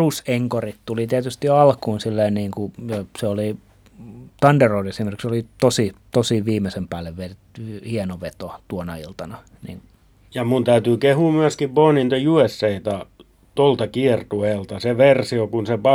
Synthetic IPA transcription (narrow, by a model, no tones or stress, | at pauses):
useŋkorit̪t̪ulit̪iæt̪yst̪iɑlkuːnsilːeinniːŋkujɑseoli | t̪ɑnderoidesimerkiksolit̪osit̪osiʋiːmesempæːlːeʋʋeret̪ːyhienoʋet̪ot̪uonɑilt̪ɑnɑ | nḭn | jɑmunt̪æyt̪yːkehuːmyæskiʋboːnint̪ojuesːeit̪ɑ | t̪olt̪ɑkiert̪ueːlt̪ɑseʋersiokunsepɑ